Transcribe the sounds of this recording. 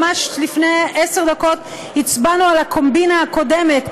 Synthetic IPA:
maʃlifneese̞ʁd̪ako̞t | hit͡sbanualakʰo̞mbinaako̞de̞met

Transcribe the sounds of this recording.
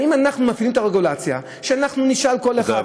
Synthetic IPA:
imanaχnumafilimet̪aʁe̞ɡulat͡sja | ʃeanaχnuniʃalko̞leχa

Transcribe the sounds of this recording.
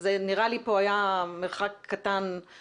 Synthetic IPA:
zeniʁalipo̞ajameʁχakʰːat̪an

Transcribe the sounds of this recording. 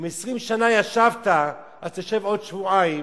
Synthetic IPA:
mesʁimʃanajaʃavt̪a | ʔazt̪oʃevo̞dʃvuaim

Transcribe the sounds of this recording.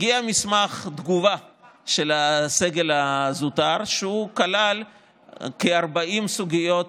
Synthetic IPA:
ɡiamismaχd̪ɡuvaʃe̞lase̞ɡe̞lazutaʁʃeukalal | keaʁbaimsuɡijo̞t̪

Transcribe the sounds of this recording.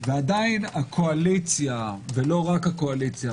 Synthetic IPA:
veadainakʰoalit͡sjavelo̞ʁakhakoalit͡sja

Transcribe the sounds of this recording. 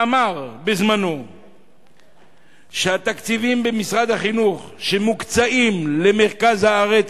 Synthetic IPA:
amaʁbezmano̞ | ʃeat̪akt͡sivimbemisʁad̪aχinuχʃemukt͡saimle̞me̞ʁkazhaaʁet͡s

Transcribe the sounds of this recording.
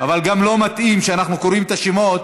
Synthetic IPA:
avalɡamlo̞mat̪ʔimʃeanaχnukoɾimt̪aʃemo̞t̪

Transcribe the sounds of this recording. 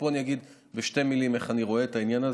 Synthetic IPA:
poanijaɡid̪ | beʃtemilimeχaniʁo̞eet̪ainjanaz

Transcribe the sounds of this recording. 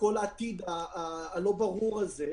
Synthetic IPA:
ko̞laːt̪id̪aːlo̞baʁuʁalze

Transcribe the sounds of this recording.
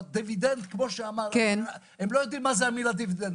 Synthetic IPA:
d̪evid̪ẽnt̪kmoʃamaɾken | ɛmlojd̪iɾmazamilad̪evid̪ẽn

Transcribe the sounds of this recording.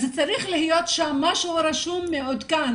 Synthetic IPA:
zet͡saɾiχlihijot̪ʃamːaʃuɾaʃumːeod̪kan

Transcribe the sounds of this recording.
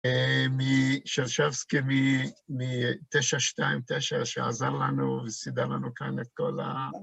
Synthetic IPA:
emiʃeʁʃavskimimit̪eʃaʃt̪aimt̪eʃaʃea̰zaʁlanuvesid̪alanukanet̪̚kola̰

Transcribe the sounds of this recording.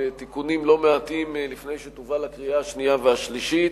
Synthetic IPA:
t̪ikunimlo̞meat̪imlifne̞jʃet̪uvalakʁiaːʃniaveaʃliʃit̪

